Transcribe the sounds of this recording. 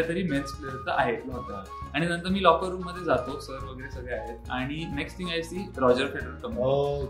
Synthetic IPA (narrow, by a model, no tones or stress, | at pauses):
at̪əɾiːmensfleət̪ə̰ʔaɦet̪laɦt̪a | aɽ̃inənt̪əɾmiːlɔkəɾːuːmːəd̪ʱːjed͡zat̪osəɾʋəɡəɾesəɡɭɛaɦet̪aɽ̃ineksʈʰĩŋɡajsiːɾɔd͡ʑəɾfeɽəɾəlkəma